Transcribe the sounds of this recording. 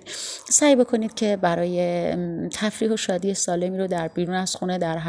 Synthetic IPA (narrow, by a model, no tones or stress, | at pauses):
sæjbo̞kʰo̞niːd̪̥̚cʰe̞bæɾɒːjet̪ʰæfɾiːɦo̞ʃɒːd̪iːesɒːle̞miːɾod̪æɾbiːɾuːnæz̥xune̞d̪æɾɦ